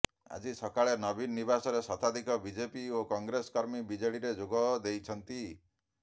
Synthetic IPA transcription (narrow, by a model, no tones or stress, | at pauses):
a̰d͡ʒisɔkaɭenɔbinːibasɔɾesɔt̪ʰad̪ʱikɔbid͡ʒepiokɔŋɡɾeskɔɾmibid͡ʒeɽiɾed͡ʒoɡɔd̪ejt͡ʃʰɔnt̪i